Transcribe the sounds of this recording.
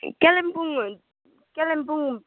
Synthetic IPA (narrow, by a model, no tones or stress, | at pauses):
kɛlɛmpuŋ | kɛlɛm̩puŋ